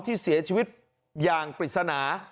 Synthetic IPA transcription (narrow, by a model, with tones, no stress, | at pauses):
t̪ʰiː˥˩si˩˦ɐt͡ɕʰiː˧wi˦˥t̪̚ | jaː˨˩ŋpɾi˨˩t̪̚sa˧naː˩˦